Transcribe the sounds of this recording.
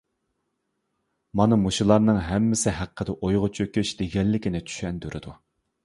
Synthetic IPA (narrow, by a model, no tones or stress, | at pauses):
mɑnɨmuʃilˠɑɾnɨŋɦɛmːɪsɪɦæqʰːəd̪ɛʔojʁʊt͡ʃʰøkʲyʃd̪̥eɡʲɛlːɪkʲinɪt͡ʃʰy̥ʃɛnd̪yɾʔɪ̰d̪u